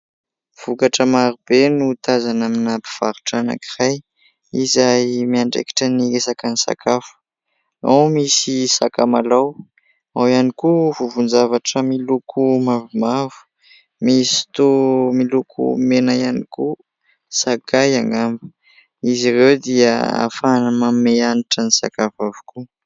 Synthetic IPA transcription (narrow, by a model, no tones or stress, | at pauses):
v̥ukaʈ͡ʂəmaɾubenut̪azanaminapi̥v̥aɾu̥ʈ͡ʂana̰kiraj | izajmiaɳɖ͡ʐḛki̥ʈ͡ʂəniesakanisa̰kʰafu̥ | awmisisakamalaw | awianikuvuvund͡zavaʈ͡ʂəmilukʰumavumavu̥ | misi̥t̪umilukʰṵmenajaniku | sakajaŋɡambə̥ | izirewd̪iəa̰fanəmameaniʈ͡ʂənisa̰kafavu̥ku